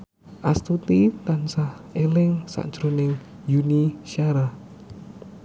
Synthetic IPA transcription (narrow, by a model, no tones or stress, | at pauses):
ʔast̪ut̪it̪ansah | elɪŋsa̰ʔɲd͡ʒɾunɪŋ | juniʃiaɾa